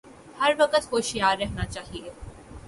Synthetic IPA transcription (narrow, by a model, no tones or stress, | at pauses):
hɐɾʋɐkət̪ɦoːʃijaːɾːɛɦnat͡ʃaːɦieː